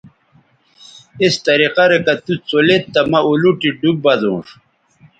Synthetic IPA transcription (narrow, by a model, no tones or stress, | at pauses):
ist̪ɐɾiqaɾekɐt̪ut͡solet̪ːɐmɐuluʈiɖub̚bɐzṵ̃ːʂ